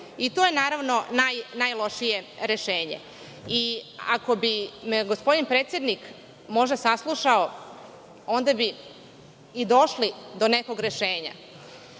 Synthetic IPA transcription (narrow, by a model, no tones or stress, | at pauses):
it̪ojenaːɾaʋno̞najnajlo̞ʃije̞ɾeʃeːɲḛ | ia̰ko̞bimeɡospo̞d̪inpɾeːt̪sje̞d̪nik | mo̞ʒd̪asaslˠuʃao | ond̪abiː | d̪o̞ʃlid̪o̞neko̞ɡɾe̞ʃeːɲa̰